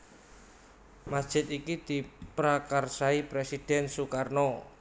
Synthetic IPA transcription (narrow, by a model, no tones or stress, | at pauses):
masd̥ʒ̥ɪt̪ikid̪̥i̤pɾakarsaipɾesid̪̥ɛ̤nsukarno